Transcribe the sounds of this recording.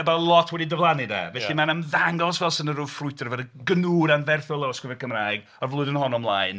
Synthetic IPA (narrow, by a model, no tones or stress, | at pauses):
ɛbalˠɔtʰwɛdidəvlˠanida̰vɛθimanəmðaŋɔsvɛlˠsənəɾʊ̥frʊɨtʰrvɛdəɡənuːɾanvɛrθɔlˠaskɪvɛrkʰəmraːɨɡ | ɔrvlˠʊɨðənhɔnɔmlˠaɨn